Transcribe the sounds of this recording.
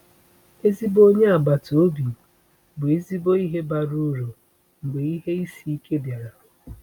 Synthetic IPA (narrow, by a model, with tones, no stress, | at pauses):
e˦zi˦bo˦ɲe˦a˨ba˨to˦bi˨ | bʊ˨e˦zi˦bo˦i˦ɦe˦ba˨ɾu˦ɾo˨ | ŋ͡m̩˨ɡ͡be˨i˦ɦe˦i˦si˦i˦kʰe˦bja˨ɾa˨